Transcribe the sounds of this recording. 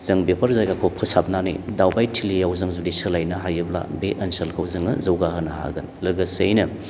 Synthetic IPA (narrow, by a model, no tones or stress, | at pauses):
z̥ɐŋbepʰɐɾzajɡakʰowpʰɯsap̚nanḭdawbajtʰilijawzɐŋzudisɐlajnɐɦajɯbla̰beʔɐnsɐlkʰɐwzɐŋɐzɐwɡahɯnɐha̰ɡɐnlɐɡɐsejnɐ